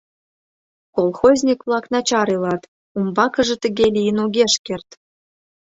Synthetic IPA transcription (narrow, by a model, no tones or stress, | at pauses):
kolˠxozʲnʲikvlˠɑknɑt͡ɕɑɾilˠɑt̪ | umbɑkɤ̆ʒɤ̆t̪ɘ̆ɡʲelʲijənoɡʲeʃkʲert̪